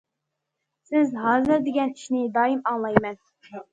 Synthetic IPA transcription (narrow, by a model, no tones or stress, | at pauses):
sɪzɦɑːzɨɾd̪ɪɡʲɛniʃnɪd̪ɑːimɑŋlˠɑjmɛn